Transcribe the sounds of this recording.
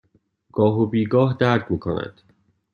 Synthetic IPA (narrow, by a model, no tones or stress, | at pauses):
ɡ̥ɒːɦobiːɡɒːɦd̪æɾd̪miːkʰonæ̰d̪̥